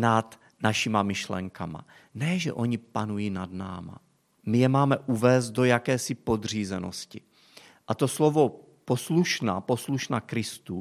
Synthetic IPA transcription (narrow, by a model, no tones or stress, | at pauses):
nat̪ | naʃɪmamɪʃlɛ̰ŋkama̰ | nɛʒɛ̰ʔo̞ɲɪpanujiːnadna̰ːma̰ | mɪjɛmaːmɛʔuvɛːst̪̚do̞jakɛːsɪpo̞d̪r̝iːzɛno̰scɪ | ʔat̪o̞slovo̞ | po̞sluʃnapo̞sluʃnaːkɾɪst̪u